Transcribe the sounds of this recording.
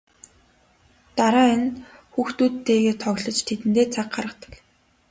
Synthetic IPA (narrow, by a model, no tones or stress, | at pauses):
t̪aɾaːinxuːxt̪uːtt̪ʰːeːɣeːt̪ʰɔɣʲɮɞ̆t͡ɕt̪ʰet̪ɘ̆nt̪eːt͡sʰaq̚ɢaɾə̆t̪ə̥̆k